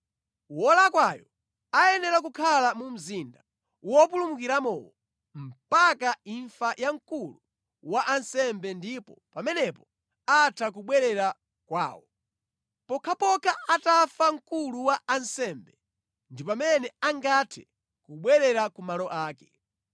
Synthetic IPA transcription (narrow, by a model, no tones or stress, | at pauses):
wɔlakwajɔ | ajɛnɛɾak̬ukʰalamum̩zinda | wɔpulumukiɾamɔwɔ | m̩pakaiɱfajʔaŋkulu | waʔansɛmbɛndipɔpamɛnɛpɔ | atʰak̬uɓwɛɾɛɾa | kwa̰ːwɔ | pɔkʰapɔkʰaʔatafaŋ̩kuluwaansɛmbɛ | ndipamɛnɛaŋɡatʰɛ | kuɓwɛɾɛɾakumalɔʔaːkɛ̥